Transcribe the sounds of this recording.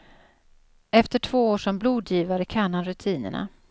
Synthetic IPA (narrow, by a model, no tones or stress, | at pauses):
ɛft̪əʈʰv̥oːoːʂɔmbluːd̪jiːvaɾəkʰaɳanɾɵt̪ʰiːnə̰ɳa̰